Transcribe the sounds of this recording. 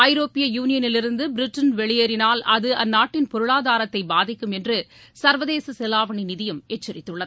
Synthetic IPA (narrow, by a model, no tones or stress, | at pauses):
ɐjɪɾoːpɪjɐjuːnɪjɐnɪlɪɾɯnd̪ɯbɪɾɪʈːɐnʋɛɭɪjɐɾɪnaːlʔɐðɯʔɐnːaːʈːɪnpɔɾɯɭaːðaːɾɐt̪ːɐɪbaːðɪkːɯmɛndrɯ | sɐɾʋɐðeːsɐsɛlaːʋɐɳinɪðɪjɯmɛt͡ʃːɐɾɪt̪ːɯɭːɐð